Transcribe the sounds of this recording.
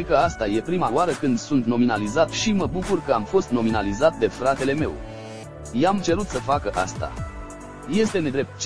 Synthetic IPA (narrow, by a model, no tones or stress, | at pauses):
kəast̪aje̞pɾimawaɾəkɨnd̪sunt̪no̞minalizat̪ʃiməbukurkəamfo̞st̪no̞minalizat̪̚d̪e̞fɾat̪e̞le̞me̞̰w | jamt͡ʃe̞ɾut̪səfakəʔa̰st̪a̰ | je̞st̪e̞ne̞d̪ɾe̞p̚t̪̚t͡ʃ